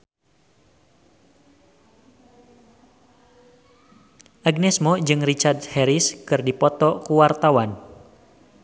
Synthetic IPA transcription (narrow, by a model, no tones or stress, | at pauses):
ʔaɡ̚nɛsmɔd͡ʒɨŋrit͡ʃard̪hɛɾiskɨrdipɔt̪ɔkuwart̪awan